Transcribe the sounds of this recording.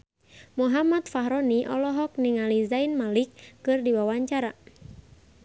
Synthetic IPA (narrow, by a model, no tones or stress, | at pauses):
muɦamat̪̚faɦɾɔniʔɔlɔɦɔk̚niŋalizainmalikːɨrdiwawaɲt͡ʃaɾa